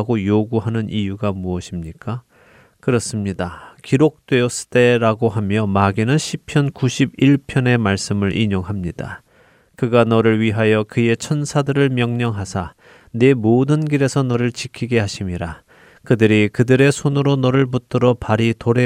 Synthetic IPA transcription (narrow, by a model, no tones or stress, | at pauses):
ɡojoɡuɦanɯnʔijuɡamuʌɕʰimɲik͈a | kɯɾʌs͈ɯmɲidakiɾok̚t͈we̞ʌs͈t͈e̞ɾaɡoɦamjʌmaɡinɯnɕʰipʰjʌnkuɕʰibiɭpʰjʌne̞maɭs͈ɯmɯɾʔiɲoŋɦamɲid̥a̰ | kɯɡanʌɾɯɭɥiɦajʌkɯe̞t͡ɕʰʌnsʰadɯɾɯɭmjʌŋɲʌŋɦasʰa | ne̞modɯnɡiɾe̞sʰʌnʌɾɯɭt͡ɕikʰiɡe̞ɦaɕʰimiɾa | kɯdɯɾikɯdɯɾe̞sʰonɯɾonʌɾɯɭput͈ɯɾʌpaɾitoɾe̞